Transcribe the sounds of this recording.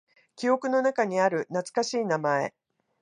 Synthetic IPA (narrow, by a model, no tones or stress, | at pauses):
kʲio̞kɯ̟no̞nakaɲ̟iaɾɯ̟nat͡sɨ̥kaɕiːnamae̞̰